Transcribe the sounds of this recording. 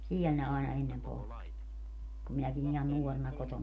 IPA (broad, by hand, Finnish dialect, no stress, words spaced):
siɛl ne ɑˑenɑ enːem poltːi kum minækin ihɑn nuorenɑ kotonɑ